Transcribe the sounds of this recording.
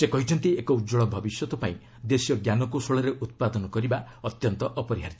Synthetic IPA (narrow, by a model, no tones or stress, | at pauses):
sekɔɦit͡ʃʰɔnt̪iekɔud͡ʒɔɭɔbʱɔbisjɔt̪ɔpaĩ | d̪esijɔɡjanɔkusoɭɔɾeʔut̪̚pad̪ɔnɔkɔɾiba | ɔt̪jɔnt̪ɔʔɔpɔɾiɦaɾit̪